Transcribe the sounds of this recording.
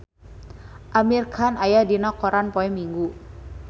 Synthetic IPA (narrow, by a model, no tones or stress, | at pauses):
ʔamirkʰanajadinɔkɔɾanpɔɛmiŋɡu